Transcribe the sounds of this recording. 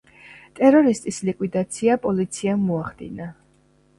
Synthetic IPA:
t̪ʼɛɾɔɾist̪ʼislikʼwid̪at̪sʰiapʼɔlit̪sʰiamːɔaχd̪̥ḭna

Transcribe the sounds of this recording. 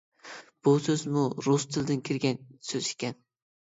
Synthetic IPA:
b̥usøzmuɾust̪ʰɨld̪ɪnkʲʰɪɾɡʲɛnsøzɪkʲɛn

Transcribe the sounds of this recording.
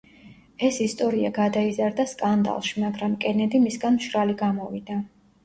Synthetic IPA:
ɛsist̪ʼɔɾiaɡad̪aizaɾd̪askʼand̪a̰lˠʃimaɡɾamkʼɛnɛd̪imisɡanmʃɾaliɡamɔvḭd̪̥a

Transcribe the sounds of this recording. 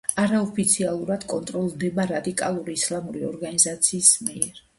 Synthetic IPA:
aɾaɔpʰit̪sʰialˠuɾad̪̥kʼɔnt̪ʼɾɔlˠd̪ɛbaɾad̪ikʼalˠuɾiːslˠamuɾiɔɾɡanizat̪sʰiːsmiɛɾ

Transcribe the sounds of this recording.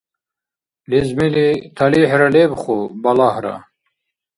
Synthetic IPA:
lizmilit̪ʰaliħɾɐlebχubɐlahɾa̰

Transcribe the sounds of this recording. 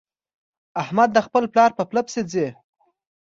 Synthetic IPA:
ahmad̪ːəxpəlplɑɾpəpləpsed͡ze

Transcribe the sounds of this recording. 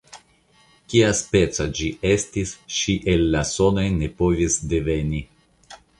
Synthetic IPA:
kiaspe̞t͡sad͡ʒiʔe̞stisʃiʔelːaso̞no̞jne̞po̞visdeve̞ni

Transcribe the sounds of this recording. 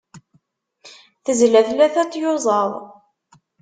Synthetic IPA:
θəzlæθlæθæt͡sːjozˤɑðˤ

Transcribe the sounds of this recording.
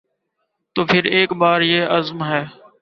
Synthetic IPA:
t̪oːpʰɪɾeːkɓaːɾjeːʔəzmɦɛː

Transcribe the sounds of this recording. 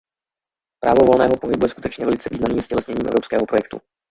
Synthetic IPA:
pɾʔa̰ːvovolnɛ̰ːɦopoɦɪbujɛskut̪ɛt͡ʃɲɛvɛlɪt͡sɛviːznamniːmscɛlɛsɲɛɲiːmɛ̰vɾopskɛːɦopɾojɛk̚t̪ṵ

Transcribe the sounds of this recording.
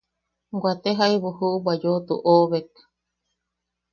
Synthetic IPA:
ɡʷat̪eɦaiβuhuʔubad͡ʒot̪ṵʔoβek

